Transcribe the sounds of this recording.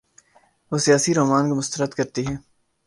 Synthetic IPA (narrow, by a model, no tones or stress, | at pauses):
ʋoːsijaːsiɾoːmaːnkomʊst̪əɾəd̪kɐɾt̪iɦɛː